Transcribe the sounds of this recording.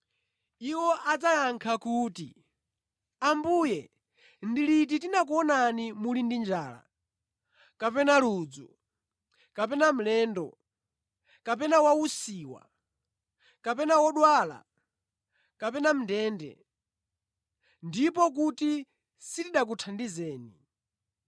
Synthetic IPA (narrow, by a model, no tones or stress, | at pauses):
iwɔʔad͡zajaŋkʰakuːtḭ | ambujɛ | ndilit̬itinak̬uɔnanimulindind͡ʒaːla̰ | kapɛnaluːd͡zu | kap̬ɛnam̩lɛːndɔ̰ | kapɛnawausiːwa̰ | kapɛnawɔɗwaːla̰ | kapɛnam̩ndɛːndɛ̰ | ndipɔk̬uti | sitiɗak̬utʰandizɛːni